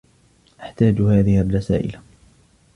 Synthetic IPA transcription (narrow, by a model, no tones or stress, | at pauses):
ʔaħt̪aːd͡ʒhaːðɪharːɑsa̰ːʔɪ̰la